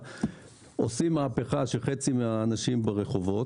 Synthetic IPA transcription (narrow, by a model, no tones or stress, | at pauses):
osimːaape̞χaʃeχet͡simeaːnaʃimbeʁeχo̞vo̞